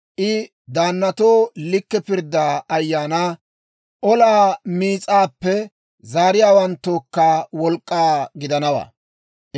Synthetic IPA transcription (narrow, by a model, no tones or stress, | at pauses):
ʔɪ | d̪aːnːɐt̪oːlɪkːɛpɪɾd̪aːɐjːaːnaː | ʔɔlaːmiːt͡sʼaːpːɛ | zaːɾɪjaːwɐnt̪ːoːkːaːwɔlkʼːaːɡɪd̪ɐnɐwa̰ː